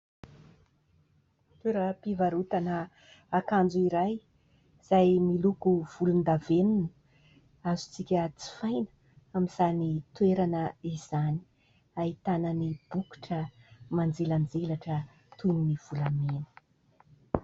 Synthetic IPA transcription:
t̪uɾapivaɾut̪anə | akand͡zuiɾaj | z̥ajmilukuv̥ulund̪avenini | azu̥t͡sikʲət͡si̥fajnə̥ | amiz̥anit̪ueɾanəiz̥ani̥ | ait̪anənib̥uku̥ʈ͡ʂəmand͡zeland͡zelaʈ͡ʂə | t̪uniniv̥ulamenə̥

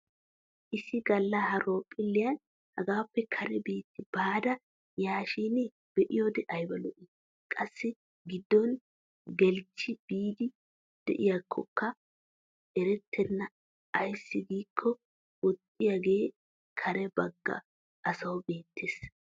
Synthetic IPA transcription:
ʔɪsːɪɡɐlːɐhɐɾo̞ːpʼːɪlːɪjɐn | hɐɡaːpːɛkʰɐɾɛbeːt̪ːɪb̥aːd̪ɐ | jaːʃiːnɛ | b̥ɛʔɪjoːd̪ɛʔɐjbɐlɔʔɪ | kʼɐsːɪ | ɡɪd̪ːɔn | ɡɛlt͡ʃːɪb̥iːd̪ɪ | d̪̥ɛ̰ʔɪjakʰːɔ̰kʰːɐ | ɛɾɛt̪ʰːɛnːɐ | ɐjsːɪɡiːkʰːɔ | ɔt̪ʼːɪjaɡe̞ː | kʰɐɾɛbɐɡːɐ̰ | ʔɐsɐwʊbe̞ːt̪ʰːeːs

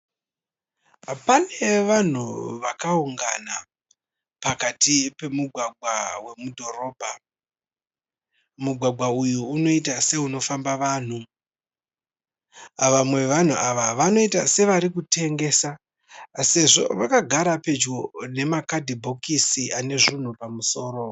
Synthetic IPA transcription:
pane̞ʋan̤ṵʋakauŋɡa̰na | pakatipe̞muɡʱwaɡʱwa̰we̞mudʱo̞ro̞ːbʱa | muɡʱwaɡwaujuːno̞itase̞uno̞fambaʋaːn̤u | ʋamwe̞ʋan̤uʔaʋaʋano̞itase̞ʋaɾikute̞ŋɡe̞sa | se̞ʐo̞̰ʋakaɡʱaɾape̞d͡ʒɡo̞ne̞makadʱibʱo̞kisiʔane̞ʐin̤upamuso̞ːɾo̞

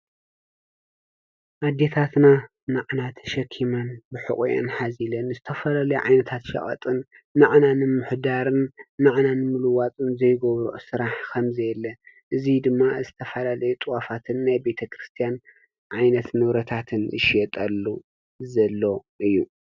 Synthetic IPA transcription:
ʔad̪e̞t̪ʰat̪na | naʕnat̪ʃɐkʰːimanbɨħɨ̰χʼujo̰nħazilɐnzɨt̪ʰɐfɐlalɐjɛʕa̰jnɐt̪ʰat̪ʃɐ̰χʼɐ̰t̪ʼɨnː | aʕnanɨmɨħd̪aɾɨnːaʕnanɨmɨlɨwat͡sʼɨnzɐjɡoβɾuʔsɨɾaħkʰɐmzɐjɛlːɐ | ʔɨzid̪ɨmːazɨt̪ʰɐfɐlalɐjɛt̪ʼɨwafat̪ʰɨnːajbe̞t̪ʰɐkʰɾɨst̪ʰijan | ʕajnɐt̪nɨβɾɐt̪ʰat̪ʰɨnʔɨ̰ʃjɛt̪ʼɐlːu | zɐlːo̞ʔɨjːu

